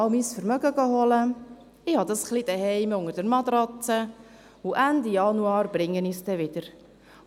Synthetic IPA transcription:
ɑwmisfəɾmœɡəɡɑɦɔlə | ɪhɑd̪ɑsχlid̥̪əɦɛɪmʊŋəɾdəɾmɑd̪ɾɑt͡sə | uʔænd̪ijɑnuɑːɾb̥ɾɪŋːənist̪ɛʋɪd̥̪əɾ

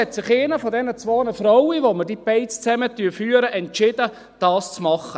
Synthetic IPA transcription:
ɛtsɪχeɪnəfɔdɛnət͡sʋoːnəfɾɔwiʋomədipɛɪtst͡sɛmətyːfyːəɾəʔɛntt͡ʃɪd̥ə | d̥ɑːst͡smɑχə

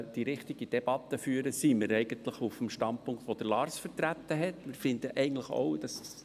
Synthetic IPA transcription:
d̥iɾɪχt̪ɪɡid̥̪ɛb̥ɑt̪əfyːəɾəsiməɾɛɪɡ̥ənt̪ləχufmʃtɑnt̚pʊŋkt̪ʋod̥̪əɾlɑːɾsfəɾtɾæt̪ːəɦɛtmɪɾfɪnd̪əʔɛɪɡən̩tləχo̰wd̥̪ɑs

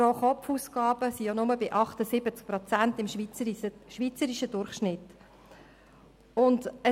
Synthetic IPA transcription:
ɔχɔpfuːskɑːb̥əsijonʊməbɪʔɑχt̪əsɪbət͡sk̚pɾɔt͡sæntɪmʃit͡səʃʋiːt͡səɾiʃədʊɾχʃnɪt | ʊndə

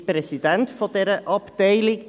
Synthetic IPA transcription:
prɛsidɛntfodɛɾəʔɑpd̥eɪlɪk

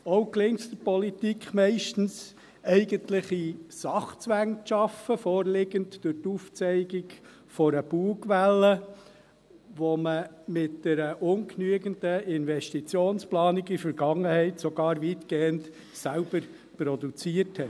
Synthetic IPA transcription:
ɔʊklɪŋtd̥̪əpɔlitikχmɛɪʃtn̩s | ɛɪɡəntlɪχisɑχt͡sʋæŋʃɑfəfɔːɾlɪɡəntd̥ʊtuːft͡sɛɪɡɪɡ | fɔɾəbuːɡʋælːə | ʋɔmə | mɪt̚d̥ɛɾəʔʊnknyəɡəndəɪnvɛʃtit͡sjoːnsplɑːniɡifəɾɡɑŋːəhɛɪtsɔɡɑːɾviːtɡ̥eːənt | sælb̥əɾ | pɾɔdut͡siəthɛt

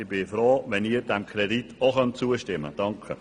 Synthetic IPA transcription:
ɪb̥ɪfɾoːʋɛniːɾd̥ɛmkʰrɛditʰoχœnt̚t͡suːəʃtɪmə̰d̥ɑŋkʰə

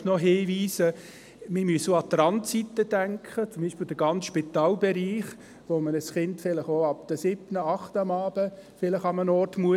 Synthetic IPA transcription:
nɔɦɪːviːsə | mɪmysoɑt̪ɾɑnt͡sit̪ːəd̥æŋkχət͡sʊmbiːʃpɪld̥̪əɡ̥ɑnsʃpit̪ɑːlbɛɾiːχ | ʋomənəsχɪntfɪləχoɑp̚d̪̥əsɪbnəɑχtɑmɑːb̥əfɪləχɑmənɔrtmuə

